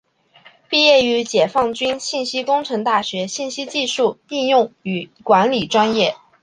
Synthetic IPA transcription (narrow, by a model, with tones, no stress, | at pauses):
pi˥˧jɛ˥˩y˧˥t͡ɕjɛ˨˩fɑ˥˩ŋt͡ɕy˥nɕi˥˩nɕi˥kʊ˥ŋʈ͡ʂʰɤ˧˥ŋt̪a˥˩ɕɥɛ˧˥ɕi˥˩nɕi˥t͡ɕi˥˧ʂu˥˧i˥˧ŋjʊ˥˩ŋy˨˩kwa˧˥nli˨˩ʈ͡ʂwa˥njɛ˥˩